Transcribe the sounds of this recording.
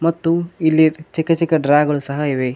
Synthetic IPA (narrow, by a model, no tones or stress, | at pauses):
mɐt̪ːuilːiɾt͡ʃikɐt͡ʃikɐɖɾaːɡɐɭusɐɦɐiʋe